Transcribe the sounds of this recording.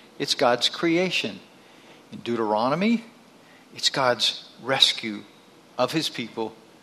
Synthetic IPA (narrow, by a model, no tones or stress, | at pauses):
ɨtsɡ̥ɑdz̥kʰɹ̥ieɪʃɨ̃n | ɨ̃ndʉɾə˞ɑnəmi | ɨtsɡ̥ɑdz̥ɹɛskʰjʉ | ʌv̥ɨz̥pʰipl̩ˠ